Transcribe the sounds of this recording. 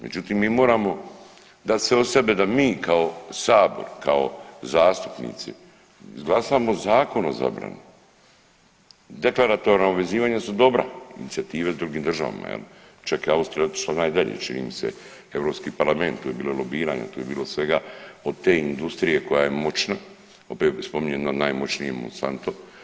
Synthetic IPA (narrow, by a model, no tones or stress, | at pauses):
me̞̰d͡ʒut̪imːiːmo̞ːɾamo̞ | d̪at̪seose̞be̞d̪amiːkʰaosaːbo̞̰ɾkao̞̰zaːst̪u̥pnḭt̪sḭ | izɡlˠasaːmozaːko̞noza̰bɾa̰nu | d̪e̞klaɾat̪o̞ɾnauʋe̞ziːʋaːɲasud̪o̞bɾa̰ḭnit̪siat̪iːʋed̪ɾuɡiːmd̪rʒa̰ʋa̰ma̰jḛl | t͡ʃakjeaust̪ɾijaot̪i̥ʃlˠanaːjd̪aʎḛt͡ʃinḭːmisḛ | e̞vɾopskiːpaɾlˠame̞nt̪t̪ːuːje̞biːlolˠobiːɾaːɲa̰t̪uːjebiːlosʋe̞ɡao̞d̪̚t̪ːeːind̪ust̪ɾije̞ko̞jaje̞mo̞t͡ʃna | o̞pespo̞miɲenanajmo̞t͡ʃnijemo̰nsa̰nt̪o